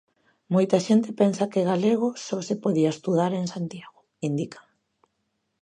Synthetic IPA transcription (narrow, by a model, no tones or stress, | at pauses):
mojt̪aʃent̪ɪpensɐkeɣaleɣʊsɔsepoðiaest̪uðaɾensant̪jaɣo | ind̪ikḁŋ